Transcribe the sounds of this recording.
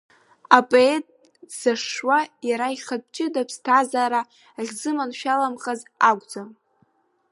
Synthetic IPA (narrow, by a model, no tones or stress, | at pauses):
apʼoetʼ | saʂwajaɾaiχad̚t͡ʃʼɪdapʰstʰazaːɾa | aʁʲzɨmanʃᶣalamχazaɡʷʼd͡zam